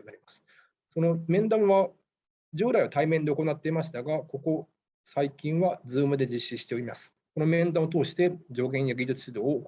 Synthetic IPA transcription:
naɾʲimasɨ̥ | so̞no̞mẽ̞nd̪ãɰ̃βa | d͡ʑɨːɾaiβat̪aimend̪e̞o̞ko̞nat̪ːe̞imaɕi̥t̪aɡako̞ko̞ | saikʲĩɰ̃βad͡zɨːmɯ̟d̪e̞d͡ʑiɕːiɕi̥t̪e̞o̞ɾʲimasɨ̥ | ko̞no̞mẽ̞nd̪ãot̪o̞ːɕi̥t̪e̞d͡ʑo̞ːɡẽ̞ɰ̃jaɡʲidɨt͡sɨ̥ɕid̪o̞ː

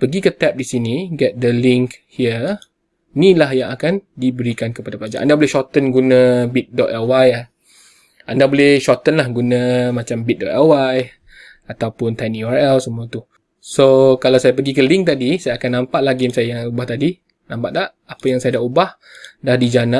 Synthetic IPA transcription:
pəɡikət̪ɛp̚disiniɡɛt̪̚dəliŋkhiə | nilahjãŋakandibəɾikankəpadapəlad͡ʒa̰ʔa̰ndabolɪhʃɔt̪ənɡunãbit̪̚dɔt̪awaja | andabolɪhʃɔt̪ənlahɡunãmãt͡ʃambit̪̚dɔt̪awaj | at̪awpʊnt̪aniaɹɛlsəmũat̪u | sokalawsajap̬əɡikəliŋk̚t̪adisajaakanːãmpaʔlaɡemsajajaubaht̪adi | nãmpaʔda | apajaŋsajadaʔubah | dahdid͡ʒanã

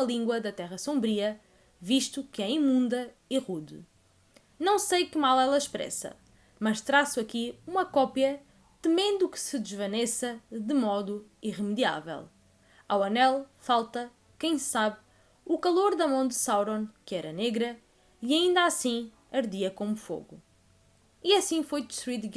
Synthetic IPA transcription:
umɐlˠĩŋɡwɐðɐt̪ɛʁɐsõmbɾiɐ | viʃt̪ukɨɛimũnd̪ɐiʁuðɨ | nɐ̃w̃sejkɨmalˠɛlˠɐʃpɾɛ̰sɐ̰ | mɐʃt̪ɾasuɐkiumɐkɔpjɐ | t̪ɨmẽnd̪ukɨ̥sɨd̪ɨʒvɐnesɐd̪ɨmɔðuiʁɨmɨðia̰vɛ̰lˠ | a̰wɐnɛlˠfalˠt̪ɐ | kɐ̃j̃ssaβ | ukɐlˠoɾðɐmɐ̃w̃d̪ɨsawɾõnkɨɛɾɐneɣɾɐ | iɐĩnd̪asĩ | ɐɾðiɐkomufo̰ɣṵ | iɐsĩfojd̪ʃɾit̪ɡ

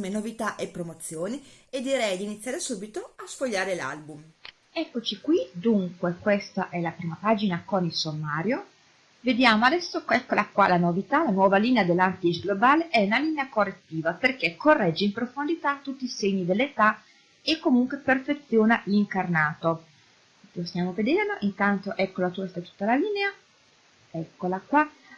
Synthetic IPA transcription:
menovit̪aʔepːɾomot̪sːjoːnied̪ːiɾɛjd̪init̪sːjaːɾesuːbit̪oasfoʎːaːɾela̰lbum | ɛkːot͡ʃikwid̪uŋkwekwest̪aʔɛlapɾiːmapaːd͡ʒinakonilsomːaːɾjo | ved̪jaːmoad̪ɛsːokɛkːolakwa̰lanovit̪alanwɔːvaliːnead̪elːant̪it͡ʃɡlobaːleʔɛunaliːneakorːet̪ːiːvaperk̟ekːorːɛd͡ʒːeimpɾofond̪it̪at̪ːut̪ːiːseɲːid̪elːet̪a | ekːomuŋkweperfet̪sːjoːnaliŋkarnaːt̪o | lost̪jaːmoved̪ernoʔint̪ant̪oʔɛkːolat̪uɛst̪at̪u̥t̪ːalaliːnea | ɛkːolakwa

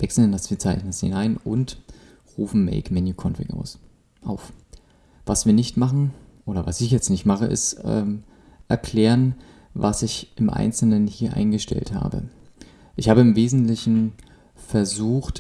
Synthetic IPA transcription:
vɛksl̩ndasv̥iːɐt͡saɪçnənəsḭnaɪnʔʊnt | ʁuːfn̩mɛ̰ɪkmɛnjukʰɔnfɪ̰kʔa̰ʊs | ʔaʊf | v̥asv̥iːɐnɪçtmaχn̩ʔoːɾɐvasɪçjɛt͡stnɪçtmaχəʔɪ̰stɛ̰ːm | ʔɛɐkʰl̥ɛːʁən | vasɪçʔɪmʔa̰ɪnt͡sl̩nənhiːɐʔa̰ɪnɡəʃtɛ̰ltha̰ːbə̰ | ʔɪçhaːbəɪmveːzn̩tlɪçn̩ | fɛɐzuːxt

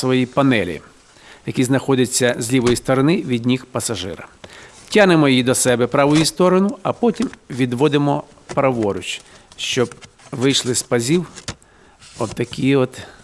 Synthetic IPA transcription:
sʋɔjipɐnɛlʲḭ | jɐkʲiznɐxɔd̪ʲɪt͡sʲːɐzʲlʲiʋɔjist̪ɔɾɐnɪʋʲidʲnʲixpɐsɐʒɪ̰ɾɐ̰tʲːanɪmɔjid̪ɔsɛbɛpɾɑʋʊjist̪ɔɾɔnʊɐpɔtʲimʋʲid̪ʋɔd̪ɪmɔ | pɾɐʋɔɾʊt͡ʃʃt͡ʃɔb | ʋɪjʃlˠɪspɐzʲiw | ɔbt̪ɐkʲiɔt̪

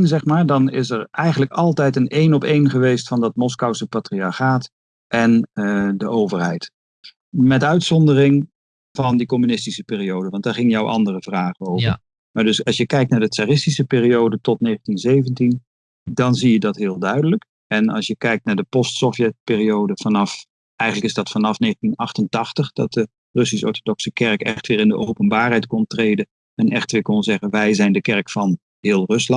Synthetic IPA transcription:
nzɛχmaːɹdɑnɪsɛɹʔɛjχənləkɑlˠtɛjtənejnɔpejnχəʋejstfɑndɑtmɔskawsəpatriɑɹχaːt | ʔɛndəʔowvəɹɦɛjt | mɛtœɥtsɔndərɪŋ | v̥ɑndikɔmynɪstisəpɪːriowdəʋɑntd̥aːɹχɪŋənjɔwʔɑ̰ndərəvraːχənowvəɹ | maːɹdɵsɑsjəkɛjk̚tnaːɹdətsaːrɪstisəpɪːriowdətɔtneːχəntinzejvəntin | dɑnzijədɑtɦɪːlˠdœɥdələk | ɛnɑ̰sjəkɛjk̚tnaːɹdəpɔstsɔfjɛt̚pɪːriowdəv̥ɑnɑf | ʔɛjɣənləkɪzdɑtfɑnɑfneːχən̩tinɑχtəntɑχtəχd̥ɑ̰t̚də | rɵs̬isɔ̰ɹtodɔksəkɛrkɛχtʋɪːɾɪndəʔowpənbaːrɦɛjtkɔntreːdə | ɛnɛχtʋɪːɹkɔnzɛχənʋɛjzɛjndəkɛɹkfɑn | ɦɪːlˠrɵslɑt

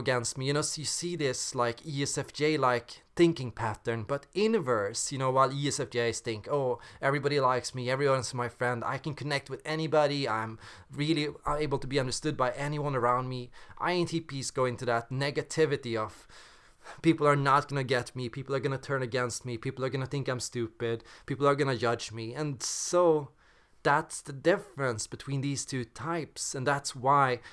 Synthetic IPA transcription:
ɡɛ̃nst̚miɨ̃nosjɨsiðɪslaɪkiɛsɛfd͡ʒ̥eɪlaɪkθɪ̃ŋkɪ̃ŋpʰæɾə̃˞nb̥ʌɾɪnɨvɜ˞sjɨnoʊwaɪlˠiɛsɛfd͡ʒeɪz̥θɪ̃ŋkoʊɛvɹibɑɾilaɪksmiɛvɹiwʌ̃nzmaɪfɹɛ̃nda̰ɪkɨ̃n̩kʰɨnɛk̚t̚wɨðɛnibɑɾiãɪ̃m | ɹɪlˠiʌeɪbl̩ˠtʰəbiʌ̃ndə˞stʊd̚baɪʔɛniwʌ̃nə˞ãʊ̃nd̚miʔa̰ɪɪ̃ntʰipisɡ̥oʊɪ̃ŋtʰɨðətⁿnɛɡɨtʰɪvɨɾiʌv̥ | pipl̩ˠə˞nət̚ɡ̥ʌnɨɡɛtmipʰipl̩ˠə˞ɡʌnɨtʰɜ̃˞nɨɡɛ̃nst̚mipʰipl̩ˠə˞ɡʌnɨθɪ̃ŋkãɪ̃mstʉpɪd̚pipl̩ˠə˞ɡʌnɨd͡ʒʌd͡ʒmiɨ̃nsoʊ | ðætsðɨdɪfɹɨ̃nsb̥ɨtʰw̥ĩnðiz̥tʰʉtʰaɪpsɨ̃nðætswaɪ

